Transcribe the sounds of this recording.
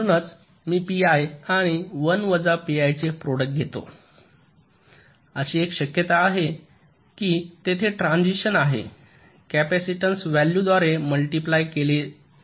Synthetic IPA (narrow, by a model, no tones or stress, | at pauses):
nət͡s | miːpiajaɽ̃iʋənʋəd͡zapiajt͡sepɾoɽək̚ʈ̚ɡʱet̪o̰ | əɕiːekɕəkjət̪aːɦe | kiːt̪et̪ʰeʈɾãnd͡ʑiɕənaɦḛ | kæpæsiʈənsʋæljud̪ʋaɾeməlʈiplajkele